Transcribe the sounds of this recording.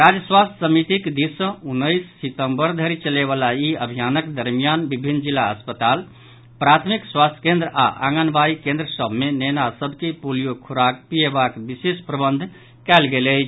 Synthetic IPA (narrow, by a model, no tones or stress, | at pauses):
ɾad͡ʒəswast̪ʰʲsəmit̪ikd̪isə̃unːəjsːit̪ə̃mbəɾd̪ʱəɾit͡ʃəleβalaiəbʱijanəkd̪əɾmijanbibʱinːd͡ʒilːaəspət̪al | pɾat̪ʰmikswast̪ʰə̥kẽnd̪ɾəa̰ʔa̰ŋɡənbaikẽnd̪ɾəsəbʱmenɛnasəbʱkepulijokʰuɾak̚pijebakbisespɾəbənd̪ʱ | kɛlɡelə